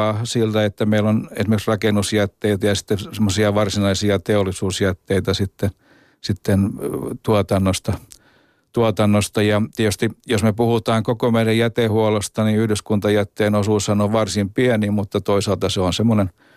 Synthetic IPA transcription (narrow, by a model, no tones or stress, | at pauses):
ɑsilt̪æet̪ːæmeilːonḛsimerksrɑkenusjæt̪ːeit̪æjɑsi̥t̪ːesemːosiɑʋɑrsinɑisiɑt̪eolˑisuːsjæt̪ːeit̪æsit̪ːe | sit̪ːent̪uɑt̪ɑnːost̪ɑ | t̪uɑt̪ɑnːost̪ɑjɑt̪iet̪yst̪ijosmepuhut̪ɑːŋkokomeiɾæjjæt̪ehuolost̪ɑniyhdyskunt̪ɑjæt̪ːeːnosuːshɑnoʋʋɑrsimpiɛnimut̪ːɑt̪oisɑːlt̪ɑseonsemːonen